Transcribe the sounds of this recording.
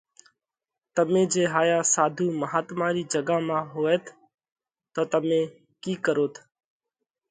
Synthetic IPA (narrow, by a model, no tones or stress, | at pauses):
t̪əmẽːd͡ʒeːɦaːjaːsaːd̪ʱuːməɦaːt̪mãːɾiːd͡ʒəɡaːmãːɦoːeːt̪ʰ | t̪oːt̪əmẽː | kiːkəɾoːt̪ʰ